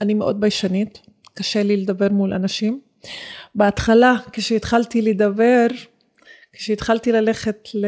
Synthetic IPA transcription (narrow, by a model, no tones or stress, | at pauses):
animeʔo̞d̪̚bajʃanit | kaʃeliled̪abe̞ʁmulʔa̰naʃim | beat̪χalakeʃeitχaltiledabe̞ʁ | ke̥ʃeet̪χaltilaleχe̞tl